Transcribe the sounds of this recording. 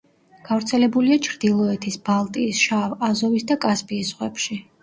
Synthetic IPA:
ɡ̥avɾt̪sʰɛlɛbuliat͡ʃʰɾd̪ilˠɔɛt̪ʰisbalˠt̪ʼiːsʃavazɔvisd̪akʼaspʼiːsʁwɛpʃi

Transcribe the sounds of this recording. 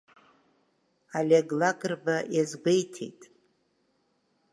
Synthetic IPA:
alʲeɡlakʼɨrbajazɡʷejtʰḛjtʼ

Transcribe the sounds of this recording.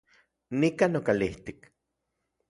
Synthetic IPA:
nikanokaliht̪ik

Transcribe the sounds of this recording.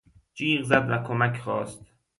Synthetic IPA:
d͡ʒiːɢzæd̪vækʰomæcʰχɒːst̪

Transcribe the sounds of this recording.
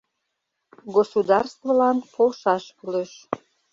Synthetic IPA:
ɡosud̪ɑrst̪volɑnpʰolʃɑʃkyleʃ

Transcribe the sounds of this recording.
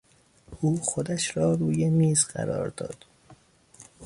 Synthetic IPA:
ʔuːxod̪æʃɾɒːɾuːjemiːzɢæ̰ɾɒ̰ːɾd̪ɒ̰ːd̪̥

